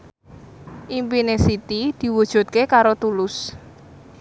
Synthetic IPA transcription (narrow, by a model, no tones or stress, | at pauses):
ʔimpinesit̪id̪̥i̤wud̥ʒ̥ṳt̪̚kekaɾot̪ulʊs